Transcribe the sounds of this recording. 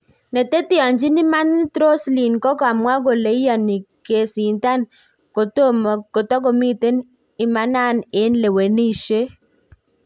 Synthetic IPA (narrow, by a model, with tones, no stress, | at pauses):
ne˨te˦tɪ˦ɔ˨ɲd͡ʒi˦nɪ˦ma˦n˦t̪ɾo˦sli˨nkɔ˦kɔ˨a˨mwa˦ɡo˨le˨i˦a˨ni˨ke˨si˨nta˦n | ko˨to˦ko˨tɔ˦ɡo˨mi˦te˦n | ɪ˨ma˦na˦˨ne˨˦nle˨we˨ni˦˨ʃe˦